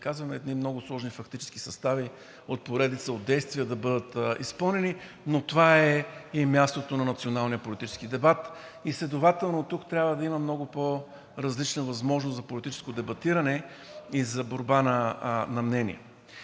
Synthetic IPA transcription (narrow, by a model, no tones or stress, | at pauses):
kazvɐmɛːd̪nimnɔɡʊslˠɔʒnifɐkt̪it͡ʃɛ̥ski̥sɐst̪avi | ot̪̚poɾɛd̪it̪səod̪̚d̪ɛjst̪viəd̪ɐbɤd̪ət̪ḭspɤlˠnɛni | not̪ovaɛimʲjast̪ot̪onɐnɐt̪sionalˠnijəpolit̪it͡ʃɛ̥skid̪ɛbat̪ | islɛd̪ovat̪ɛlˠnot̪ukt̪ɾʲabvəd̪ɐimɐmnɔɡʊpo | ɾɐzlit͡ʃnəvɐzmɔʒnost̪zɐpolit̪it͡ʃɛ̥skod̪ɛbɐt̪iɾɐnɛ | izɐboɾbanɐnɐmnɛnʲḭɛ̰